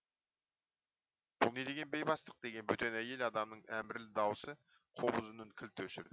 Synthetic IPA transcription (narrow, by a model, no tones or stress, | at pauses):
b̥ʊ̰lˠne̞d̪e̞ɡʲe̞nbejbɑst̪ə̥q̚d̪e̞ɡʲe̞nbɵt̪e̞næje̞lɑd̪ɑmnəɴæmbɪɾlɪd̪ɑwəsə | qʰobʊzənəɴkʲʰɪlt̪ɵʃɪɾd̪ɪ